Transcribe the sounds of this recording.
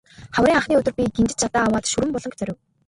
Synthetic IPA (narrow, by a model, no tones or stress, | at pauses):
χawɾʲiːŋaχniːɵt̪ɵ̆rpʲiɡent͡ɕɪ̆t͡ɕt͡ɕʰat̪aːawaːt̪ʃuɾɘ̆mpɔɮɞ̆ŋkt͡sʰœɾʲɘ̆w